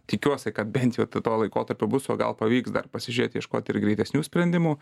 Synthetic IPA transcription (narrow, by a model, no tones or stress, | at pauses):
t̪ʲɪkʲuɔsʲɛkɐt̪̚bʲɛnt̪jɛʊt̪ɪt̪oːlˠɐɪkoːt̪ɐɾʲpʲʊbʊsoːɡɐ̰lˠpɐʋʲiːksd̪ɐ̰rpɐsʲɪʒʲyɾeːt̪ʲjɛʃkoːt̪ʲɪrɡɾʲɛɪt̪ʲɛsʲnʲuːsʲpʲɾʲɛnʲd̪ʲɪmuː